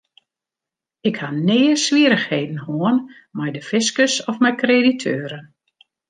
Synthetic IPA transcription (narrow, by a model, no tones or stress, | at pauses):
ɪkhanɪːəsʋiəɾəxheːdn̩hoən | mɛjdəfɪskəsɔfmɛjkreditʰøːɾən